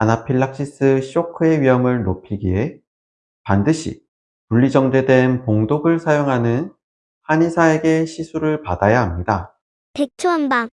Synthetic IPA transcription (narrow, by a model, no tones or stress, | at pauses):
anapʰiɭːak̚ɕ͈is͈ɯɕʰiokʰɯe̞ɥiɦʌmɯɭnopʰiɡie̞ | pandɯɕʰḭ | puʎːid͡ʑʌŋd͡ʑe̞dwe̞npoŋdoɡɯɭsʰajoŋɦanɯn | haɲisʰae̞ɡe̞ɕʰisʰuɾɯɭpadajaɦamɲida | tek̚t͡ɕʰuanba